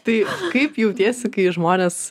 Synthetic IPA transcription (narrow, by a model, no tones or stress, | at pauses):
t̪ɐɪkɐɪpjɛʊt̪ʲiɛsʲɪkɐɪʒmoːnʲeːs